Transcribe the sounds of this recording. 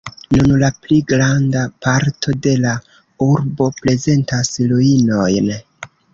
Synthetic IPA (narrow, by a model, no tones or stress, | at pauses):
nunlapliɡɾandapaɾtʰo̞de̞la | uɾbo̞pɾe̞ze̞ntasloino̞jn